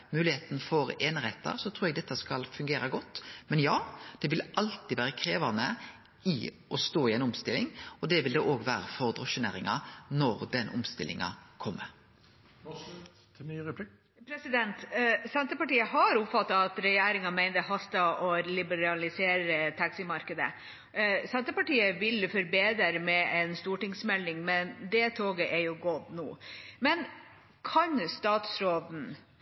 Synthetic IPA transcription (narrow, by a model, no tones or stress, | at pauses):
mʉːlɪheːt̪n̩fɔɾeːnəɾheːt̪ə̰ɾsɔt̪ʰɾuːɾɛɡd̪ɛt̪ːəskɑlfʉŋɡeːɾəɡɔt̪ːmɛnjɑːd̪̥ɛʋɪlʔɑlt̪ɪʋæːɾəkʰɾeːʋɑnə | ɪ | ɔst̪oːɪɛnʊmst̪ɪlːɪŋɔd̪ɛʋɪld̪ɛʔoːɡʋæːɾəfɔɾd̪ɾɔʃʉnḛːɾɪŋɑnɔɾd̪ɛnʔʊmst̪ɪlːɪ̰ŋɑ̰kʰɔmːə | plɪ | pʰɾɛsɪd̪ɛnt̪sɛnt̪əpɑʈiːəɦɑɾʊpfɑt̪ːɑɑt̪ɾɛjeːɾɪŋɑmæɪnd̪əhɑst̪ɑʔɔlɪbəɾɑlɪseːɾət̪ʰɑksɪmɑɾkəd̪ə̰ | sɛnt̪əpɑʈiːəʋɪlfɔɾbeːd̪əɾəmɛʔɛnst̪uːʈɪŋsmɛlːɪŋmɛnd̪ɛt̪ʰoːɡəʔɛjʊɡɔd̪nṵːmɛn | kʰɑnst̪ɑːt̪sɾoːd̪n̩